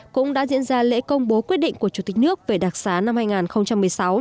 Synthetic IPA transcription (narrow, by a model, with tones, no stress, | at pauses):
kʊ̰˧˥ŋ͡mɗa̰ː˧˥zḭ˧ənzaː˧lḛ˧˥kə˧wŋ͡mɓo˨˦kwi˦˥ət̚ɗḭ˧˨ŋ̟ku˧˩ət͡ɕu˧˩t̪i̟˨˩nɨ˦˥ək̚ve˨˩ɗaː˨˩k̚saː˨˦na˧mhaː˧jŋaː˨˩nxə˧wŋ͡mt͡ɕa˧mːɨ˨˩əjsa˨˦w